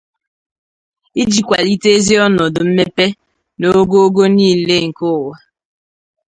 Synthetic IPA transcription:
i˦d͡ʒi˨kʷa˨li˦te˦e˦zi˦ɔ˦nɔ˨dʊ˨m̩˦me˦pe˦ | no˦ɡo˦o˦ɡo˦niː˦˨le˦ŋ̩˨kʊ˦˨wa˨

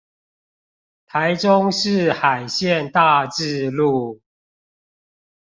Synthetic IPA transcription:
t̪ʰa˨˦ɪʈ͡ʂʊ˦ŋʂɻ̩˥˨xa˨˩ɪɕjɛ˥˨nt̪a˥˧ʈ͡ʂɻ̩˥˧lu˥˨

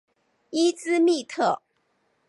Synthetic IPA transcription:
i˥t͡sɹ̩˥mi˥˧t̪ʰɤ˥˩

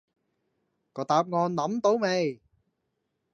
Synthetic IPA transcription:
kɔː˨˩t̪aː˨p̚ŋɔː˨˧nːɐ˨˥mt̪o˨˥wmɛ˨˧j

